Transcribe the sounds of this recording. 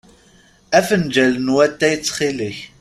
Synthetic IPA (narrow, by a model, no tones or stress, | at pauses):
æfənd͡ʒælənwæt̪ːæjət͡sːχiləç